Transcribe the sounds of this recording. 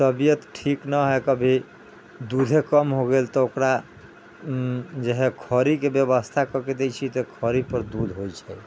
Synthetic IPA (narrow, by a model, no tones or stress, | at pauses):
səbijət̪ʈʰiknəɦɛkəbʱi | d̪ud̪ʱekəmɦoɡelt̪ɔokɾa | d͡ʒeɦekʰəɾikebjəβəst̪ʰakəked̪ejt͡ʃʰit̪ɔkʰəɾipəɾd̪ud̪ʱɦojt͡ʃʰɛ